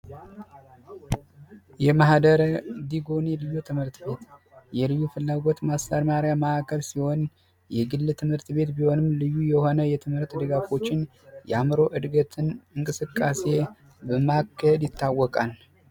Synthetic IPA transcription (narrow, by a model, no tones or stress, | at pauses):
jɛmahd̪əɾəd̪iɡo̞nelɨjːut̪ʰɨmhɨɾt̪be̞t̪ | jɛlɨjːufɨlːaɡo̞t̪mast̪aɾmaɾjaməakʰːəlsiho̞n | jɛɡɨlːt̪ʰɨmhɨɾt̪be̞t̪biho̞nɨmlɨjːujɛho̞nəjɛt̪ʰɨmhɨɾt̪d̪ɨɡafo̞t͡ʃːɪn | jɛamɾo̞ʔɨd̪ɡət̪ʰɨnɨŋkʼɨsɨkʼːase̞ | bəmakʰːəhɛd̪jɪt̪ːawːɔkʼal